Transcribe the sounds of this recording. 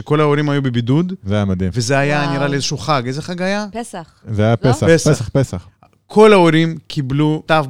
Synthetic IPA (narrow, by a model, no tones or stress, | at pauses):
eko̞laoɾimhajubebid̪ud̪zeajamad̪imvezeajaniɾaliezeʃuχaɡejzeχaɡajas | zeajapesapesesapesaχ | kʰo̞laoɾimkʰiblut̪af